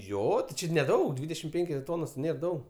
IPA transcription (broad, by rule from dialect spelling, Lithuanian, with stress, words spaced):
ˈjoː tʲɪ ˈt͡ʃʲɪ nʲɛˈdɐʊk ˈdʲʋʲiːdʲɛʃʲɪm ˈpʲɛŋʲkʲoːs ˈtoːnoːs ˈnʲeːr ˈdɐʊk